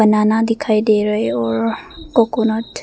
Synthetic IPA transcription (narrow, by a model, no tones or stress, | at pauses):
ənanad̪ikʰajd̪eɾəeɔɾkɔkonɔt̪